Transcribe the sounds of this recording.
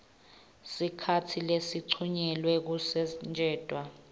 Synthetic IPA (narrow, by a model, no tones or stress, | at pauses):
sikʰatʰilesiǀʰuɲɛlwɛk̬usɛnd͡ʒʱɛːd̥ʼʱwa